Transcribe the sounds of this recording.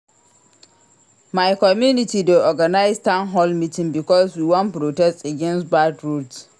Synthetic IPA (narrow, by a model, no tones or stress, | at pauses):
majkɔmjunɪtideʔɔɡanaɪstãnɦɔlmitɪ̃ŋbɪkɔswiːwɔ̃npɾotɛstaɡʲɛ̃nstbatɹuds